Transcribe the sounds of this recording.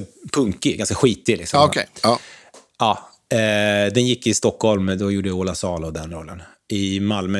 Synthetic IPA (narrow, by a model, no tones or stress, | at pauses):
pʰɵŋkɪɡanskaɧiːt̪ɪlɪksɔmkʰe | ʔɑː | d̪ɛnjɪkːɪst̪ɔkhɔlmd̪ɔjuːɖəoːlasɑːlɔd̪ɛnɾɔlːə̰n | ɪmalmœ